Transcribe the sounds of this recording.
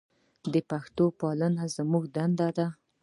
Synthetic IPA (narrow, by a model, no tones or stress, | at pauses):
d̪əpaxt̪opɑlənazmuɡd̪and̪ad̪a